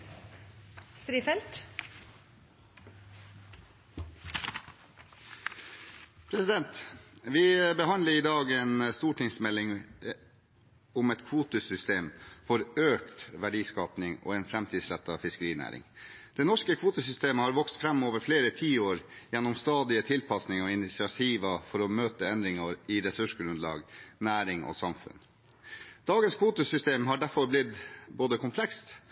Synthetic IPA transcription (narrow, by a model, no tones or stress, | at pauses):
st̪ɾiːfɛlt̪ | pʰɾɛsɪd̪ɛnt̪ʋɪːbəhɑnləɾiːd̪ɑːɡeːnst̪uːʈɪŋsmɛlːɪŋ | ʊmɛt̪kʰʋuːt̪əsʏst̪eːmfɔɾøːkt̪ʋæɖiːskɑːpnɪŋo̰ːɛːnfɾæmt̪ʰiːd̪sɾæt̪ːɑ̰fɪskəɾiːnæ̰ːɾɪ̰ŋd̪̥ɛnɔʂkəkʰʋuːt̪əsʏst̪eːməhɑɾʋɔkst̪fɾɛmːoːʋəɾfleːɾət̪ʰiːoːɾjɛnːɔmst̪ɑːd̪ɪət̪ʰɪlpʰɑsnɪŋɔɪnɪsɪɑt̪ʰiːʋəfɔɾɔmøːt̪əɛnd̪ɾɪŋɑɾɪɾɛsʉʂɡɾʉnd̪lɑ̰ːɡnæːɾɪŋɔ̰sɑmfʉ̰n | d̪̥ɑːɡənskʰʋuːt̪əsʏst̪eːmɦɑɖæɾfɔɾblɪd̪boːd̪əkʰʊmpʰlɛkst̪